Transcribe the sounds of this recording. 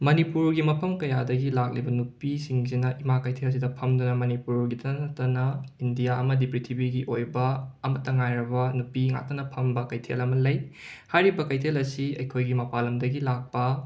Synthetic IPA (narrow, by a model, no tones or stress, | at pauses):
mɐnipuɾɡimɐpʰɐmkɐjadɐɡilak̚libɐnupisiŋzinɐʔimakɐjtʰelɐs̬idɐpʰɐmdunɐmɐnipuɾɡidɐnɐtːɐnɐindijaɐmɐdipɾitʰibiɡiʔojbɐɐmɐtːɐŋajɾɐβɐnupiŋa̰tːɐnɐpʰɐmbɐkɐjtʰḛlɐmɐlɐjhajɾibɐkɐjtʰelɐsiɐjkʰojɡimɐpalɐmdɐɡilak̚pɐ